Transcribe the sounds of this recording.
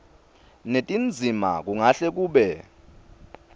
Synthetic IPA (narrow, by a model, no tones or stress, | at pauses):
netʼind͡zʱima̰k̬uŋaɬɛk̬uːɓɛ